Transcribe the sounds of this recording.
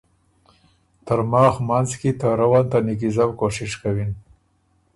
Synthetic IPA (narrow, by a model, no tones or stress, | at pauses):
t̪əɾmɑːxmanzkit̪aɾawɑnt̪anik̬izawkoʂɪʂkawin